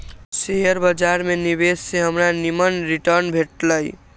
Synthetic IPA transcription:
sejəɾbəd͡ʒaɾmeniβesːeɦəmɾanimənɾiʈəɾnbʱeʈləj

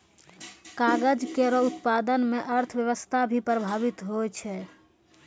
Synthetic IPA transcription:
kaɡəd͡ʒkeɾɔut̪pad̪ənmeʔəɾt̪ʰbjəʋəst̪ʰabʱipɾəbʱaβit̪ɦot͡ʃʰɛ

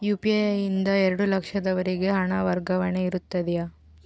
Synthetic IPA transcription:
juːpiejind̪ɐɛɾɐɽulɐkʂɐd̪ɐʋɐɾiɡe̞ɦɐɳaːʋɐɾɡɐʋɐɳeiɾut̪ːɐd̪ɛja

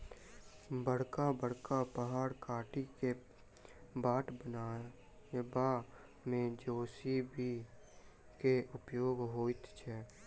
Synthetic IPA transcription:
bəɽ̤kabəɽkapəɦaːɽkaːʈike | baːʈbəna | ba | mẽd͡ʒoːsibi | keʔʊpjoːɡɦoːit̪t͡ʃʰɛː

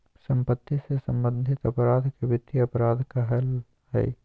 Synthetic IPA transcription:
sɐ̃mpət̪ːisesɐ̃mbə̃nd̪ʱɪt̪ɐpɾaːd̪ʱkeʋɪt̪ːiɐpɾaːd̪ʱkaɦɐl | hɛ̰ː

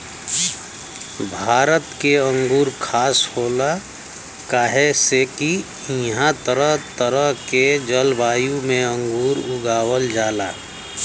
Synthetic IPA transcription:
bʱaːɾət̪keə̃ŋɡuːɾkʰaːshoːla | kaːɦeseki | ɦãt̪əɾəɦt̪əɾəɦked͡ʒəlbaːjũmẽə̃ŋɡuːɾʊɡaːwəld͡ʒaːla̰ː

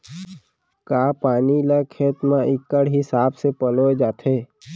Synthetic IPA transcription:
kaːpaːnilakʰeːt̪mãʔɪkːəɽɦɪsaːbsepəloed͡ʒaːt̪ʰeː

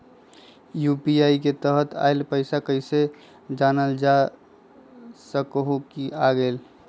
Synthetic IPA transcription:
jupiaik̬et̪əɦət̪ʰa̰elpəɪsakəɪse | d͡ʒanəld͡ʒa | səkɦokiaɡel

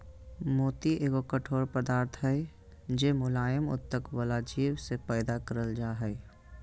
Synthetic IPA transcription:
moːt̪iʔeːɡokəʈʰoːɾpəd̪aːɾt̪ʰɦɛe | d͡ʒeːmʊlaːjəmʊ̰t̪t̪ːəkwəlad͡ʒiːwsepɛːd̪akəɾəld͡ʒaːɦɛː

